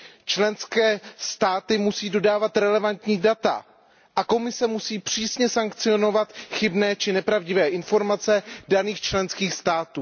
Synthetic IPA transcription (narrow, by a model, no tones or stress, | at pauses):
t͡ʃlɛnskɛːst̪aːt̪ɪmusiːdo̞daːvat̪ɾɛlɛvant̪ɲiːdat̪a̰ | ʔako̞mɪsɛmusiːpr̝̥iːsɲɛsaŋkt͡sɪo̞no̞vat̪xɪbnɛːt͡ʃɪnɛpɾavɟɪvɛːʔɪnfo̞ɾmat͡sɛdaniːxt͡ʃlɛnskiːxst̪aːt̪uː